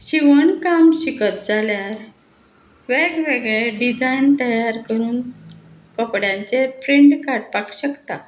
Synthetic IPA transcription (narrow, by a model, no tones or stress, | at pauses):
ɕiʋəɳkamɕikət̪̚d͡zaljaɾ | ʋeɡʋeɡɭeɖid͡zajnt̪əjaɾkəɾuːn | kɔpɽjãɲt͡sepɾiɳɖkaɾʈpakɕəkt̪a